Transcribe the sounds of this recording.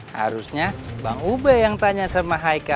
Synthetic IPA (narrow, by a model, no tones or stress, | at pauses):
ha̰ɾusɲabaŋubəjaŋt̪aɲasəmaɦajka